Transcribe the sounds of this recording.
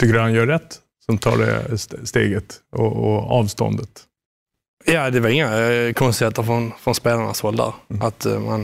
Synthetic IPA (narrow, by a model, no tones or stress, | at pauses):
t̪ʰʏkːəɾhanjœːɾɛt̪ː | sɔmt̪ʰɑ̰ːɖɛ̰sst̪ḛːɡət̪ɔɔɑːvst̪ɔ̰nd̪ət̪ | jɑːd̪ɛvaɾɪŋːakʰɔnst̪ɪheːt̪əɾfɾɔnfɾɔnspeːlaɳa̰shɔld̪a̰ɾʔat̪ma̰n